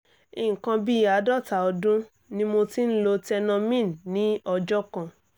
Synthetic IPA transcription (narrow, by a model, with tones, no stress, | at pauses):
i˨ŋ̩˨kã˧bi˦˨a˨˦dɔ˦˨ta˨ɔ˧dũ˦ | nĩ˦mo˧ti˦n̩˦lo˧tɛ˧nã˧mĩ˦˨n˨nĩ˨˦ɔ˧d͡ʒɔ˦kã˧˨